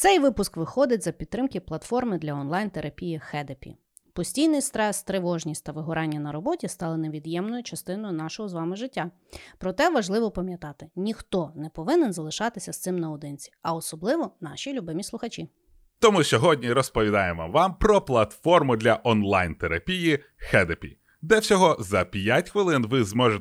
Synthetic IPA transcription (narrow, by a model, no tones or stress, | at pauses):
t̪sɛjʋɪpʊskʋɪxɔd̪ɪt̚ʲzɐpʲid̪t̪ːɾɪmkɪplˠɐt̪fɔrmɪd̪lʲɐɔnlˠɑjnt̪eɾʔɐpʲijixɛd̪epʲḭ | pɔsʲtʲijnɪjst̪ɾɛst̪ɾeʋɔʒnʲisʲtʲt̪ɐʋɪɦʊɾɑnʲːɐnɐɾɔbɔtʲist̪ɑlˠɐneʋʲid̪jɛmnɔjʊt͡ʃɐst̪ɪn̪ɔjʊnɑʃɔɦɔzʋɑmɪʒɪtʲːa | pɾɔt̪ɛʋɐʒlˠɪʋɔpɐmʲjɐt̪ɑt̪ɪnʲixt̪ɔnɛpɔʋɪnenzɐlˠɪʃɑt̪ɪsʲɐst̪sɪmnɐɔd̪ɪnʲt͡sʲi̥ɐɔsɔblˠɪʋɔnɑʃʲilʲubɪmʲislˠʊxɐt͡ʃʲi | t̪ɔmusʲɔɦɔdʲnʲiɾɔspɔʋʲid̪ɑjemʋɐ̰mʋɑmpɾɔplˠɐt̪fɔrmʊd̪lʲɐʔɔnlˠajnt̪eɾɐpʲiji | xɛd̪epʲḭ | d̪ɛwsʲɔɦɔzɐpʲjatʲxʋɪlˠɪnʋɪzmɔʒe